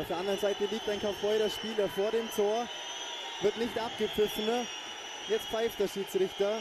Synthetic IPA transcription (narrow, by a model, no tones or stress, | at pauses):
aʊfeːɐandəʁənzaɪtəliːk̚taɪnkʰafɔʏɾɐʃpiːlɐfoːɐɾeːmtʰoːɐ | vɪɐtnɪçtʔap̚ɡ̥əp͡fɪfən̩ | jɛt͡stfaɪftd̥eːɐʃiːt͡sʁɪçtɐ